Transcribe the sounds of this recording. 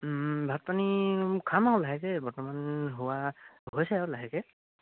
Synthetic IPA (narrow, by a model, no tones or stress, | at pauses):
bʱat̚panikʰamaɦɔlaɦɛkɛbɔɹtɔmanɦʊwaɦɦojsɛɔlaɦɛkɛ